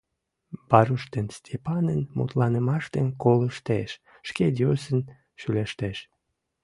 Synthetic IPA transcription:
bɑɾuʃt̪enst̪ʲʰepɑnənmṵt̪lɑnəmɑʃt̪enkoləʃt̪eʃ | ʃked̪ʲosən | ʃyleʃt̪eʃ

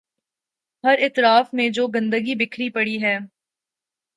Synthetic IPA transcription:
ɦɐɾɪt̪ɾaːfmẽd͡ʒoːɡɐ̃nd̪əɡibɪkʰɾipɐɽiɦɛː

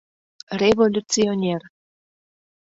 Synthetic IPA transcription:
rʲevolʲut͡sionʲer

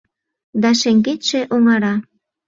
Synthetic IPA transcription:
d̪ɑʃeŋɡet̪ʃeʔoŋɑɾɑ

